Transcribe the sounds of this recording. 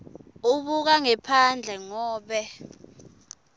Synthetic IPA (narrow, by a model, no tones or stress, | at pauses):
uɓuk̬aŋɛpʰand͡ɮʱɛŋɔːɓɛ